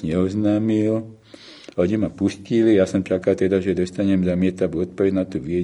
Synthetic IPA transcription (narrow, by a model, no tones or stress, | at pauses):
ɲɛɔznaːmil | ɔɲimapuscilijasɔmt͡ʃakalt̪ɛd̪aʒɛd̪ɔst̪aɲɛmzamɪɛt̪aʋuɔt̪̚pɔʋɛɟnat̪uːʋiɛ